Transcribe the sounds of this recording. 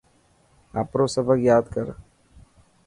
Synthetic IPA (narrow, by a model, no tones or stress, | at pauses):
a̰ːpɾosəbʱəkjaːd̪kəɾ